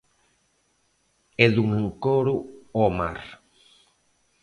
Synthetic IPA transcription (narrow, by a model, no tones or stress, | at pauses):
eðuŋeŋkoɾuoma̰ɾ